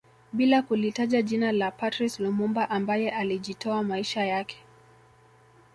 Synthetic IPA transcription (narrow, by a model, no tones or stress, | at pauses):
ɓilakulitaʄaʄinalapatɾislumumbaʔambajɛʔaliʄitɔamaiʃajakɛ̥